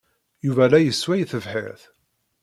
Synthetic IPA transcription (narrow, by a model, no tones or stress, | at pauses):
juvælæjəswæjθəvħɪ̰ɾθ